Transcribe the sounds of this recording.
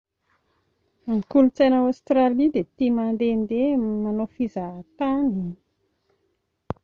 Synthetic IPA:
mikulut͡sejnawast̪ɾalid̪et̪imand̪end̪emanofizat̪ani

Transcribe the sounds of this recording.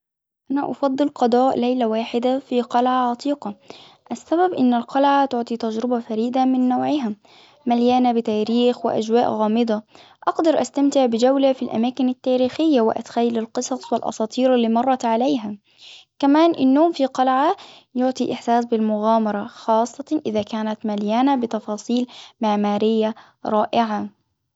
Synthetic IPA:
ʔanaʔɑfɑd̪ˤːɨlqɑd̪ˤɑːʔlajlawaːħɪd̪afiːqɑlʕaʕɑt̪ˤiːqɑ | ʔasːababʔɪnːalqɑlʕat̪ʊʕt̪ˤiːt̪ad͡ʒɾɪbafaɾiːd̪amɪnːoːʕɪɦa | maljaːnabɪt̪aːɾiːxwɪ̰ʔa̰d͡ʒwaːʔɣɑːmɨd̪ˤɑ | ʔɑqd̪ɑɾˤʔast̪amt̪ɪʕbɪd͡ʒawlafilʔa̰maːkɪnat̪ːaːɾiːxɪjːawɪ̰ʔa̰t̪xajːalalqɨsˤɑsˤwɪlʔɑ̰sˤɑːt̪ˤiːɾalːiːmɑrˤːɑt̪ʕalajɦa | kamaːnʔɪnːoːmfiqɑlʕa | jʊʕt̪ˤiʔɪħsaːsbɪlmʊɣaːmɑɾˤɑxɑːsˤːɑʔɪðaːkaːnat̪maljaːnabɪt̪ɑfɑːsˤiːlmɪʕmaːɾɪjːa | ɾˤɑːʔɪʕa

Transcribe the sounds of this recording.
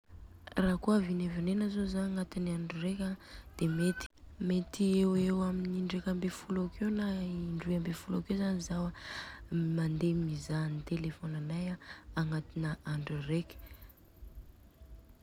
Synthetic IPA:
raːkoavinevenenazozanaŋat̪iniaɳɖ͡ʐuɾekʲad̪̥emet̪i̥ | met̪iewewaminiɳɖ͡ʐekʲambefulakewnaiiɳɖ͡ʐuambefulakewzanizawa | mand̪emizanit̪elefonanajaaŋat̪inəaɳɖ͡ʐurekʲə̥

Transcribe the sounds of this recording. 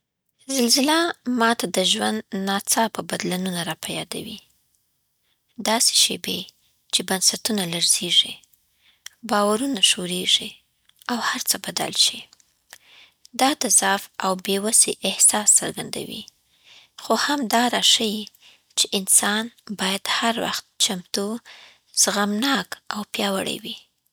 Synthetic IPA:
zɪlzɪlamɑt̪ad̪əʒwand̪nɑt͡sɑpəbad̪lanunaɾɑpajɑ̰d̪a̰wi | d̪ɑse̥ʃebe | t͡ʃebansat̪unalaɾzeʐi | bɑwaɾunaʃoɾeʐi | awhaɾt͡səbad̪a̰lʃi | d̪ɑt̪azɑfawbewaseʔɪhsɑsːəɾɡand̪a̰wḭ | xohamd̪ɑɾɑʃaji | t͡ʃeʔɪnsɑnbɑjad̪̥haɾwa̰xt̪̚t͡ʃamt̪u | z̥ɣamnɑkawpjɑwa̰ɽa̰wi

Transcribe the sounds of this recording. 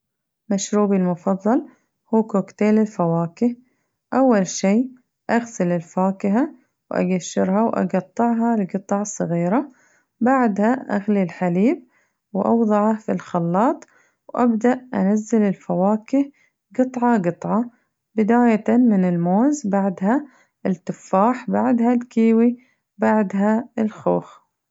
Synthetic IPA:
maʃɾuːbilmʊfɑðˤːɑl | huːkoːkt̪eːlɪlfawaːkɪh | ʔawːalʃiː | ʔaɣsɪlɪlfaːkɪɦa | wʔa̰ɡaʃːɪɾhawʔɑ̰ɡɑt̪ˤːɨʕɦɑlɪɡɨt̪ˤɑʕsˤɨɣiːɾa | baʕd̪haʔa̰ɣlilħaliːb̚ | wʔɑ̰wðˤɑʕɑfilxɑlːɑːt̪ˤ | wʔabd̪aʔʔa̰nazːɪlɪlfawaːkɪh | ɡɨt̪ˤʕɑɡɨt̪ˤʕɑ | bɪd̪aːjat̪anmɪnɪlmoːzbaʕd̪ha | ɪlt̪ːɪfːaːħbaʕd̪ɦalkiːwi | baʕd̪ɦaɪlxo̰ːx

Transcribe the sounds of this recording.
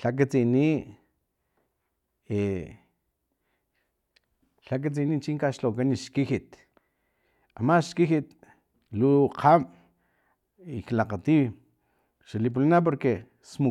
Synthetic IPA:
ɬak̬at͡sini | e | ɬak̬at͡sinit͡ʃiŋkaʃlokaniʃkihit̪ | amaʃkiɦit̪ | luqʰam | iklaqat̪iw | ʃalip̬ulanap̬oɾke | smu

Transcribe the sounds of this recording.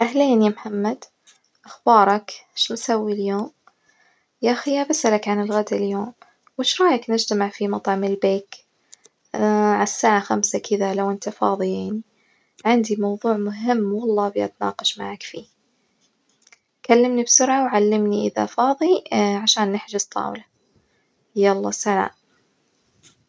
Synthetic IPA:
ʔahleːnjamħamːad̪ | ʔaxbɑːɾˤɑkʃnsawːiljoːm | jaʔaxijabasʔalakʕanɪlɣad̪aljoːm | wɪʃɾˤɑːjaknɪd͡ʒt̪amaʕfimɑt̪ˤʕɑmɪlbeːk | ʕasːaːʕaxamsakʰɪðalawʔɪnt̪afɑ̰ːðˤijaʕni | ʕɪnd̪imɑwðˤuːʕmʊɦɪmːwɑlˤːɑːbɪʔa̰t̪nɑ̰ːqɑʃmaʕakfiː | kʰalːɪmnibsʊɾʕawʕalːɪmniʔɪ̰ða̰fɑːðˤiʕaʃaːnːɪħd͡ʒɪst̪ˤʰːɑ̰ːwla | jalˤːɑ̰ːsaʕa̰ːʔ

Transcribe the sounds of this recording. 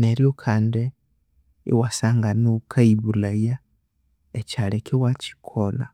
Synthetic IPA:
neɾjokʰaːnde | ḭwasaːŋɡanukʰaiβulaja | ecalekiwaci̥kʰola

